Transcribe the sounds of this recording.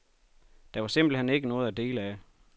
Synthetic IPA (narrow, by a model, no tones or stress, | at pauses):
d̥ɑ̈ʋɑ̈se̝m̰b̥l̩hene̝ɡ̥ənɔ̽ːð̞̩ˠæd̥e̝̰ːlæ